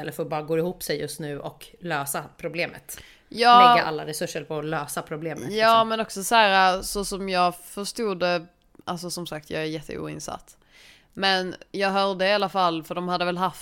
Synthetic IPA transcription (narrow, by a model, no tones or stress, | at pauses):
ɛlːəɾfɔɾbɑːɾaɡoːɪhuːpsɛjjɵst̪nʉ̟ːʔɔkløːsapʰɾʊbleːmə̰t̪ | jɑːɛɡːaʔa̰lːaɾɛsɵʂːəɾpʰɔløːsapʰɾʊbleːməjɑːmɛnɔksɔsæːɾasɔsɔmjɑːɡfœʂt̪uːd̪ə | ʔals̬ɔsɔmsakt̪ʰjɑ̰ːɡæɾjɛt̪ʰːə̰ṵːɪ̰nsa̰t̪ː | mɛnjɑːɡɦœːɾɖ̪əɪalafalːfœɖɔmhad̪ːəvɛlɦaft̪